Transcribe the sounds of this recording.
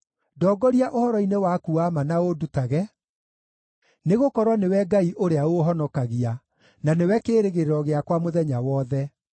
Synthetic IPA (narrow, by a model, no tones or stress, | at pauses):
dɔːɡɔɾiaʔohɔɾɔinewakuamanaodutaɣɛ | neɣokɔɾwɔnewɛɡaiʔoɾeaoɦɔnɔkaɣia | nanewɛkeːɾeɣeɾeɾɔɣeakwamoðɛɲawɔːðɛ